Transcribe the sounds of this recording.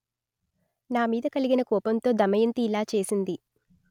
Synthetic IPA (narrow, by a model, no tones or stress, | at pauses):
naːmiːd̪ɐkɐliɡinɐkɔːpɐnt̪o̞ːd̪ɐmɐjɐnt̪iːlaːt͡ʃe̞ːsind̪i